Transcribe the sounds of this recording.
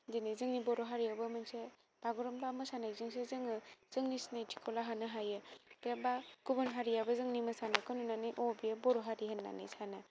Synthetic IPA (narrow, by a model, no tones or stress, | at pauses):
zinizɯŋnibɔɾɔɦaɾijabɯmɯnse | b̥aɡuɾɯmbamɯsanajzɯŋsezɯŋɯz̥ɯŋnisnajtʰi̥kʰɔlaɦanɯɦajɯ̥ebakubɯnɦaɾijabazɯŋnimɯsanajkʰɯnunanɯjʔobijabɔɾɔɦaɾiɦenːa̰nɯ̰jsanɯ